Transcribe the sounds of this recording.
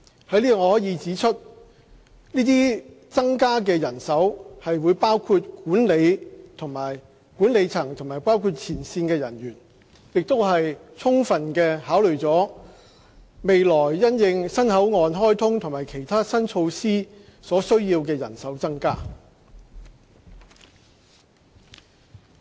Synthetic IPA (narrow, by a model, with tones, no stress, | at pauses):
hɐ˧˥jliː˥ɔ˨ŋɔː˧hɔː˨˥jiː˨˧t͡siː˨˥t͡ʃʰɵ˥t̚ | niː˥t̪iː˥ | t͡sɐ˥ŋkaː˥k̬ɛː˧jɐ˨˩nsɐ˨˥whɐ˨jwuː˨˧jpaː˥wkʰuː˧t̚kuː˨˥nle˨˧jt̪ʰʊ˨˩ŋmaː˨˩j | kuː˨˥nle˨˧jt͡sʰɐ˨˩ŋt̪ʰʊ˨˩ŋmaː˨˩jpaː˥wkʰuː˧t̚t͡sʰiː˨˩nsiː˧nkɛː˧jɐ̰˨˩njyː˨˩n | jɪ˨k̚t̪o˥wɦɐ˨jt͡sʰʊ˥ŋfɐ˨nkɛː˧haː˨˥wlɵ˨˩ɥt͡sɔː˨˥ | me˨jlɔː˨˩jːɐ˥njɪ˧ŋsɐ˥nhɐ˨˥wŋɔː˨˧nɦɔː˥jt̪ʰʊ˥ŋt̪ʰʊ˨˩ŋmaː˨˩jkʰe˨˩jt̪ʰaː˥sɐ˥nt͡sʰo˧wsiː˥sɔː˨˥sɵ˥ɥjiː˧wkɛː˧jɐ˨˩nsɐ˨˥wt͡sɐ˥ŋkaː˥